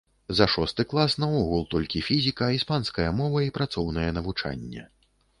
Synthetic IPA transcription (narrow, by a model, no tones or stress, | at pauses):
zɐʂɔst̪ɨklˠasnaɔɣulˠt̪ɔlʲkʲifʲizʲikɐːispanskɐjɐmɔvɐipɾat̪sɔwnɐjɛnɐvut͡ʂa̰nʲːɛ̰